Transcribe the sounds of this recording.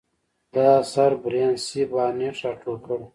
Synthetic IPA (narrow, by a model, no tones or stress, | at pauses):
d̪̥aːsɐɾbɾjaːnsibaːneʈ͡ʂaʈʰukəɽ